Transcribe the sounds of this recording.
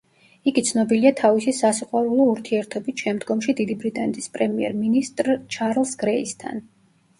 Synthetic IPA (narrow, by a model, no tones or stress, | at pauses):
iɡit̪sʰnɔbiliat̪ʰavisisasiqʼwaɾulˠɔuɾt̪ʰiɛɾt̪ʰɔbit̪ʃɛmd̪ɡɔmʃid̪id̪ibɾit̪ʼanɛt̪ʼʰi̥spʼɾɛmiɛ̰ɾminist̪ʼɾt͡ʃʰaɾlˠsɡ̥ɾɛist̪ʰa̰n